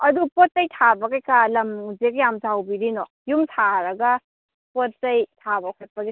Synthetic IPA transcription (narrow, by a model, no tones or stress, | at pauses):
ɐdupot̚ːɐjtʰabɐɡajkalɐmzekjamzawbiɾinɔ | jumtʰaɾɐɡɐ | pottɐjtʰabakʰat̚pɐɡe